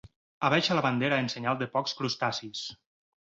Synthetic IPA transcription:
aβɛʃalaβand̪eɾaenseɲalˠd̪əpɔkskɾust̪asis

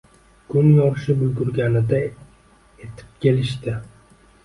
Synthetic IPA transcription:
kʰʊnjɒʃɪbʊlɡʊɾɡʲanɪd̪a | e̞t̪ʰɪ̥p̚kʲʰe̞lɪʃt̪ɪ

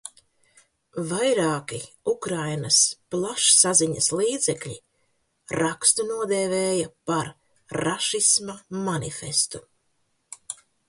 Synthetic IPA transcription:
vajɾaːki | ukɾajnɐsplˠaʃsaziɲɐslˠiːd̪zɛkʎʲḭ | ɾakst̪unuɔd̪eːveːjɐpaɾː | aʃismamanḭfest̪u

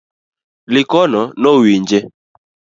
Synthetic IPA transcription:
lɪkɔnɔnɔwiɲd͡ʒe

